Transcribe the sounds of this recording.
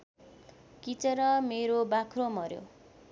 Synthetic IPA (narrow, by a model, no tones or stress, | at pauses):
kit͡sʌɾʌmeɾobakʰromʌɾjo̰